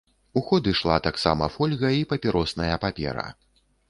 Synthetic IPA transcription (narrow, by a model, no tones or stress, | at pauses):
uxɔd̪ɨʂlˠa̰t̪aksa̰mɐfɔlʲɣɐipɐpʲiɾɔsnɐjɐpapʲɛ̰ɾɐ̰